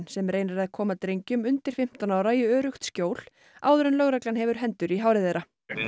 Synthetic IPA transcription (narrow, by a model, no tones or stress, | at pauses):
nsɛmreːjnaɾɛðkʰɔːmaðt̪ɾejɲcʏmʏnt̪ɪɾ̥fɪm̥t̪anawɾaiœːɾʏxt̪scoːwl̥ | a̰ːwðʏɾʏnlœːɣɾaklanɦɛvʏɾ̥ɦɛnt̪ʏɾiɦaːwɾɪðejɾa